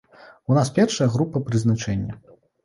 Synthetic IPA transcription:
unaspʲɛrʂɐjɐɣɾupɐpɾɨznat͡ʂɛnʲːɐ

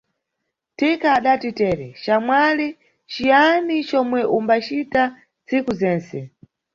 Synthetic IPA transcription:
tikaːɗatitɛːɾɛt͡ʃamwali | t͡ʃijanit͡ʃɔmwɛʔumbat͡ʃita | nt͡sikuzɛːnsɛ

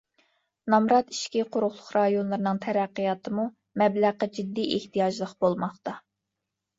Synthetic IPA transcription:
nɑmɾɑt̪i̥ʃkʲiqʰʊɾʊχlˠʊχɾɑjonlˠɨɾɨnɨŋt̪ʰɛɾæqːijɑt̪ʰɨmu | mɛblæqːɑd͡ʒid̪ːiʔeht̪ʰijɑʒlˠəqb̥olˠmɑχt̪ɑ

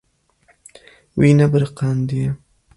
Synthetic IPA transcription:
winabəɾqɑnd̪ija

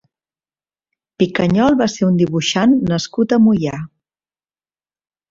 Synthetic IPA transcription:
pikəɲɔlˠβaseɾund̪iβuʃanːəskut̪əmuja

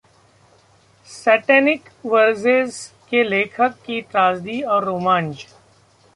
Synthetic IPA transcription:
sɛːʈɛːnɪkʋəɾzeːzkeleːkʰəkːiʈɾaːzd̪iɔːɾːoːmãːnd͡ʒ

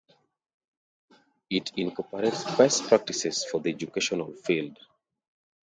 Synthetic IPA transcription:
itʰĩnkɔpəɾetsbɛspɹak̚ʈisesfɔd̪ied͡ʒukeʃɔnalfild

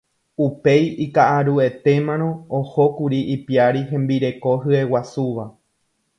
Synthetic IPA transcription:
upe̞jikaʔaɾue̞t̪e̞mãñõ̞oho̞kuɾiʔipiaɾiɦẽ̞mbiɾe̞ko̞ɦɨe̞wasuʋa

